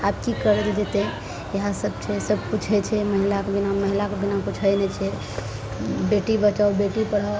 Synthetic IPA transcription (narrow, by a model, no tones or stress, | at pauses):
apkikəɾɛd͡ʒd͡ʒet̪e | jeɦasəbt͡ʃʰɛsəb̚put͡ʃʰɛt͡ʃʰɛməɦilakbinaməɦilakebinaput͡ʃʰəjnɛt͡ʃʰɛ | beʈibət͡ʃawbeʈipəɽa